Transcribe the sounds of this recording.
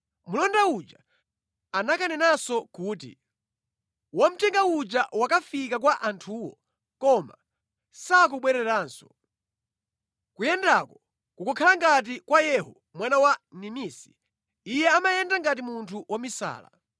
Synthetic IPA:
mulɔndaut͡ʃa | anakanɛnasɔkuːt̬ḭ | wam̩tɛŋɡaud͡ʒawakafikak̬waʔantʰuːwɔ̰ | kɔma̰ | sak̬uɓwɛɾɛɾaːnsɔ̥ | kujɛndakɔ | kukɔkʰalaŋɡat̬ikwajɛhɔ | mwanawanimisi̥ | ijɛamajɛndaŋɡat̬imuntʰuwamisa̰ːla̰

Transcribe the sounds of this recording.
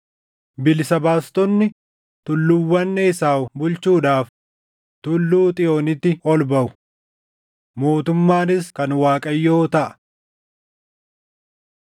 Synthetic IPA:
bɪlsɐbaːst̪ɔnːɪ | t̪ʊlːʊwːɐnːɛɪsaːbʊlt͡ʃuːᶑaːf | t̪ʊlːuːt̪ʼɪjoːnɪt̪ːɪɔlbɐʔʊ | mo̞ːt̪ʊmːaːnɪskɐnwaːkʼɐjːoːt̪ɐʔɐ̥

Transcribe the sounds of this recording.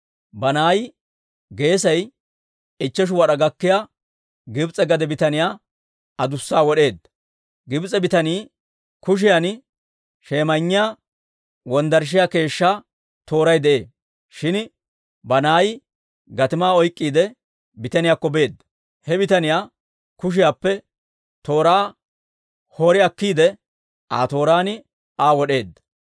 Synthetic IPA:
bɐnaːj | ɡe̞ːsɐj | ɪt͡ʃːɛʃ̬ʊwɐɗɐɡɐkːɪja | ɡɪbt͡sʼɛɡɐd̪ɛbɪt̪ɐnɪjaː | ɐd̪ʊsːaːwɔɗe̞ːd̪ːɐ | ɡɪbt͡sʼɛbɪt̪ɐniː | kʊʃ̬ɪjan | ʃe̞ːmɐɲːɪja | wɔnd̪ɐɾʃ̬ɪjake̞ːʃːa | t̪o̞ːɾɐjd̪ɛʔe̞ː | ʃɪn | bɐnaːj | ɡɐt̪ɪmaːɔjkʼːiːd̪ɛ | bɪt̪ɐnɪjaːkːɔbe̞ːd̪ːɐ | hɛbɪt̪ɐnɪjaː | kʊʃ̬ɪjaːpːɛ | t̪o̞ːɾaː | hoːɾɪɐkːiːd̪ɛ | ʔa̰ːt̪o̞ːɾaːnɪ | ʔaːwɔɗe̞ːd̪ːɐ̥

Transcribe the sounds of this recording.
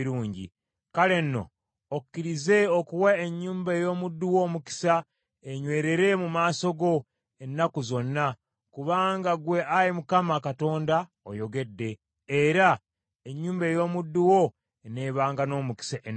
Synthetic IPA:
ɾuːɲɟḭ | kale̞nːo̞̰ː | ku̥kːiɾize̞okuwaeɲːuːmbaejo̞ːmudːuwo̞ːmuki̥sa | eɲwe̞ːɾe̞ɾe̞mumaːso̞ɡo̞ | e̞nːakuzo̞nːa | kuβaːŋɡaɡwe̞ʔajimukamakato̞ːnda | o̰jo̞ɡe̞dːe̞ | eɾa | e̞ɲːuːmbe̞ːjo̞ːmudːuwo̞ | ene̞ːβaːŋɡano̞ːmuki̥saʔen

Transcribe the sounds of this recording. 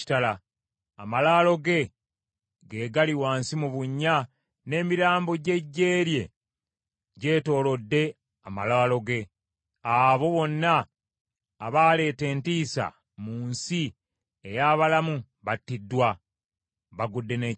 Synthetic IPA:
i̥tala | amalaːlo̞ɡe̞ | ɡe̞ːɡaliwaːnsimuβuɲːa | ne̞ːmiɾaːmbo̞ɟe̞ɟːe̞ːɾje̞ | ɟe̞ːto̞ːlo̞dːe̞ | ama̰laːlo̞ɡe̞ | aβo̞βo̞nːaː | βaːle̞ːte̞ːntiːsa̰ | muːnsi | ejaːβalamu | βatːidːwa | βaɡudːe̞ne

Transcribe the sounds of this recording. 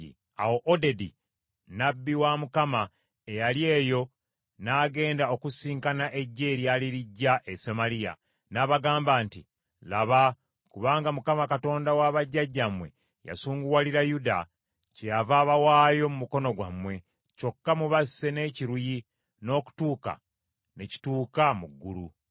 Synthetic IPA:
ḭ | a̰woʔodedi | nabːiwamukama | ejalje̞ːjo̞ | naːɡe̞ːndao̞kusiːŋkanaʔe̞ɟːe̞ːɾjaliɾiɟːaʔesemalija̰ | naβaɡaːmbaːnti | laβa | kuβaːŋɡamukamakato̞ːndawaβaɟːaɟːamwe̞̰ | ja̰suːŋɡuwaliɾajuda̰ | cejavaːβawaːjo̞mumuko̞no̞ɡwa̰mwe̞ | co̞kːamuβasːe̞ne̞ːciɾuji | no̞ːku̥tuːka̰ | ne̞ci̥tuːkamuɡːṵlṵ

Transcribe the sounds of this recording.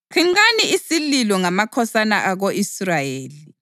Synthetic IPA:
kʰiŋaniisililɔŋamakʰɔsanaʔaɣoʔisrajeːli

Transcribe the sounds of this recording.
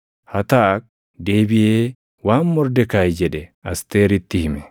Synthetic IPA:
hɐt̪aːk̚ | d̪eːbɪʔeː | waːmːɔɾd̪ɛkajd͡ʒɛᶑɛɐst̪eːɾɪt̪ːɪhɪmɛ

